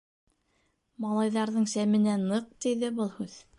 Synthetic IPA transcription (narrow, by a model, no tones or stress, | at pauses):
mɑlˠɑjðɑɾðɤɴsæmɘ̆nænɤq̚t̪iðɘbɤlˠhʉð